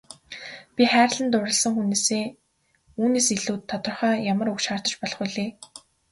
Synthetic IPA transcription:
pʲiχæːɾ̆ɮə̆nt̪ʊɾə̆ɮsə̆ŋxuneːseː | uːneːsiɮuːt̪ʰːɔt̪ɞ̆rχœːjamə̆ɾukʃaːr̥t̪ə̆t͡ɕpɔɮɞ̆χʊɮeː

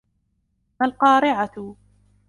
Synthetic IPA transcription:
malqɑːɾɪʕat̪

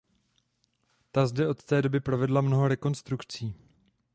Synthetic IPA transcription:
t̪azdɛʔo̞t̪t̪ɛːdo̞bɪpɾovɛdlamno̞ɦo̞ɾɛko̞nst̪ɾukt͡siː

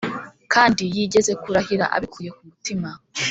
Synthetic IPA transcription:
kʰaːndijiːɟe̞ze̞kuɾahiɾa̰ʔa̰βikʰuːje̞kumutima

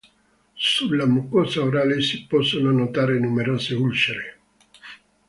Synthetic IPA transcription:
sulːamukɔsaoɾaːlesipɔsːononot̪aːɾenumeɾoːseulʃeɾe

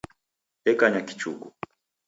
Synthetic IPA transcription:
ɛkaɲaki̥t͡ʃuku

